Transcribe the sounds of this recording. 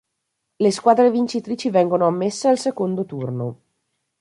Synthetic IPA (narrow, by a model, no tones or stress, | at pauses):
leskwaːd̪ɾevint͡ʃit̪ɾiːt͡ʃivɛŋɡonoamːesːealsekond̪ot̪urno